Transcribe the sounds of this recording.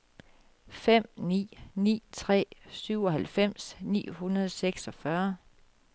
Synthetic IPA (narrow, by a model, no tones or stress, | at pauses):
fem̰nḭːnḭːt͡sʰʁɛ̰ːsyʊɒ̽ɦælfem̰snḭːhunɐð̞ˠseɡ̥sɒ̽fɶɐ